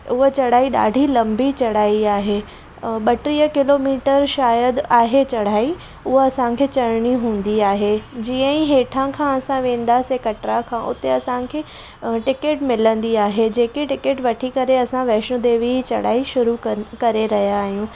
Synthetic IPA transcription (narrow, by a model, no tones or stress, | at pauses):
ʊɦet͡ɕɐɽ̤aːiɗa̰ːɖʱilɐ̃mbit͡ɕɐɽ̤aːiaːɦeː | ɓɐʈɾiːəkɪloːmiːʈəɾʃaːjəd̪aːɦet͡ɕɐɽ̤aːi | ʊɦeɐsãkʰeːt͡ɕɐɽɽ̃iɦũːn̆d̪iaːɦed͡ʑiːə̃ĩɦeːʈʰãkʰãɐsãʋẽːnd̪aːsekɐʈɾakʰãːʔʊ̰t̪eɐsãkʰeː | ʈɪkeʈmɪlə̃nd̪iaːɦed͡ʑeːkeʈɪkeʈʋɐʈʰikɐɾeɐsãʋɛːʃnũd̪eːʋit͡ɕɐ̰ɽ̤aːiʃʊɾukɐɾeɾɐɦijaːɦijũː